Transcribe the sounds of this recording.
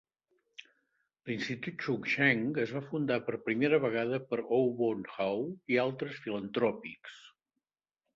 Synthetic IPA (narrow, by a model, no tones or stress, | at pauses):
linst̪it̪ut̪t͡ʃukʃɛŋəzβafund̪apəɾpɾimeɾəβəɣaðəpəɾowβonxawialˠt̪ɾəsfilənt̪ɾɔpiks